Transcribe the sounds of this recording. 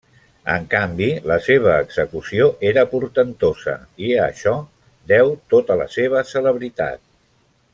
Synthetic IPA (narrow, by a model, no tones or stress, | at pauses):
ə̰ŋkambiləseβ̞əːɡz̥əkusioʔeɾəpuɾt̪ənt̪ozə̰iə̰ʃɔ | d̪ɛwt̪ot̪ələ̰seβ̞əsələβɾit̪a̰t̪̚